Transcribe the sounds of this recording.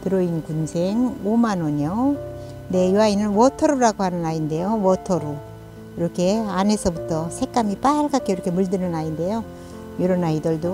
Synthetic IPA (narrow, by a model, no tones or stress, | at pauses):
tɯɾʌinkunsʰeŋomanʌɲo | ne̞juainɯnwʌtʰʌɾuɾaɡoɦhanɯnainde̞jowʌtʰʌɾu | iɾʌkʰe̞ane̞sʰʌbutʰʌsʰe̞k͈amip͈aɭkak͈ʰeiɾʌkʰe̞muɭdɯnɯnainde̞jo | juɾʌnaidʌɭdo